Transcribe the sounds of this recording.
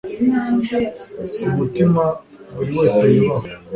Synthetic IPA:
umutima | uɾiweːseima

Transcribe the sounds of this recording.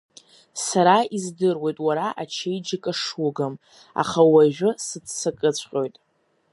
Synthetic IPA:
saɾaizdɨrwe̞jtʼwaɾaʔat͡ʃʰejd͡ʒɪkʼaʂwʊɡam | a̰χawaʒᶣʊsɨtsakʼɨt͡ɕʷʰqʲʼo̞jtʼ

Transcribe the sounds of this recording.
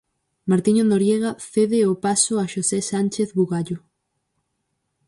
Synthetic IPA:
maɾt̪iɲonoɾjeɣaθeðɪopasoaʃosesant͡ʃeθβuɣaʎo

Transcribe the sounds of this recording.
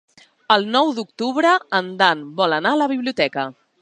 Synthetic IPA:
əlˠnɔwd̪ukt̪uβɾəənd̪anbɔlənaələβ̞iβliut̪ɛkə

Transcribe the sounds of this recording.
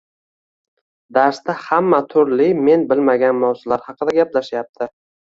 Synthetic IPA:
d̪aɾst̪ahamːat̪ʰʊɾlɪme̞nbɪlmaɡʲanmawzʊlaɾhɑqɨd̪aɡʲaplaʃjap̚t̪ʰɪ

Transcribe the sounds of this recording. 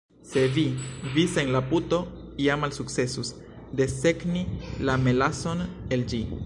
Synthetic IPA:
se̞vivisenlaputo̞iamːalsuk̚t͡se̞sus | d̪e̞se̞knilame̞laso̞ne̞ld͡ʒi

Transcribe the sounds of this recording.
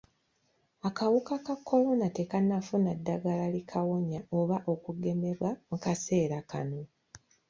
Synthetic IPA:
akawukakakʰːo̞lo̞nate̞kanːafunadːaɡalalikʰawo̞ɲaoβaʔo̞kuɡe̞me̞βwamukase̞ːɾakʰa̰no̞

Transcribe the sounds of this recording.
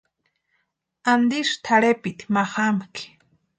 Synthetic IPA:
and̪iʃt̪ʰaɽepit̪i̥maχamki̥

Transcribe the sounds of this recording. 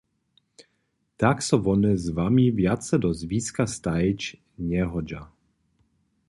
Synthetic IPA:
t̪aksɔvɔnɛzvamivjat̪sɛd̪ɔzviːskast̪aɛt͡ʃ | ɲɛɦɔd͡ʒa

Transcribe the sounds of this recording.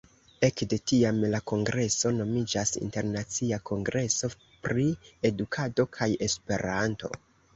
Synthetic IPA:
e̞kde̞tiamlako̞ŋɡɾe̞so̞no̞mid͡ʒasḭnte̞ɾnat͡siako̞ŋɡɾe̞so̞ | pɾie̞dukʰado̞kʰaje̞spe̞ɾanto̞̰

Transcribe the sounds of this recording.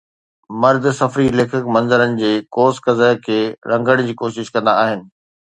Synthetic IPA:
mɐɾd̪sɐfɾileːkʰɪkmɐ̃nzəɾənɪ̆d͡ʑeːkoːskɐzəkʰeːɾɐ̃ŋɡəɽ̃d͡ʑiːkoːʃɪʃkɐ̃nd̪aːɦɪnɪ̆

